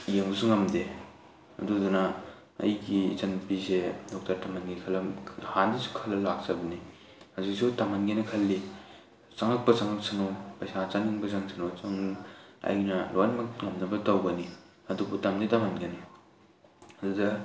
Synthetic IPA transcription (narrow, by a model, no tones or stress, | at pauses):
jeŋbusuŋɐmde | ɐ̰dudunɐ | ɐ̰jɡit͡ʃɐnpisedɔk̚tɐɾtamanɡikʰɐlɐhandisu̥kʰɐlːɐlak̚t͡ʃɐbɐni | hazik̚sutamanɡinɐkʰɐlːi | t͡ʃaŋɐk̚pɐt͡ʃaŋɐk̚sʰɐnopɐjsat͡ʃaŋiŋbɐzaŋsɐnowt͡ʃɐŋɐ̰jnɐlojnmɐkŋɐmnɐbɐtawɡɐni | ɐdubutamditamanɡɐni | ɐdudɐ